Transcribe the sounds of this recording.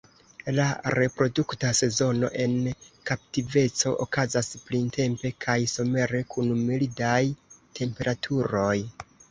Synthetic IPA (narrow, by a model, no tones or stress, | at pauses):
laɾe̞pɾo̞duktase̞zo̞no̞̰ʔe̞nkaptive̞t͡so̞ʔo̰kazasplintʰe̞mpe̞kʰajsome̞ɾe̞kʰunmilidajtʰe̞mpe̞ɾʔatʰuɾo̞j